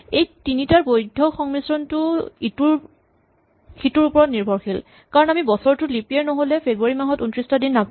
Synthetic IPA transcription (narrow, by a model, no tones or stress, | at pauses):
ejtinitaɹbojdʱɔxɔŋmisɹɔntʊituɹ | xituɹupɔɹɔtniɹbʱɔɹxil | kaɹɔnamibɔsɔɹtʊlipiɛɹnoɦolɛpʰebɹaɹimaɦɔtuntɹistadinːap